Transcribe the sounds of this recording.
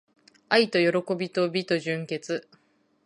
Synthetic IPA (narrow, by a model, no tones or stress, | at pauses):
ait̪o̞jo̞ɾo̞ko̞bʲit̪o̞bʲit̪o̞ʑɨ̃ŋke̞t͡sɨ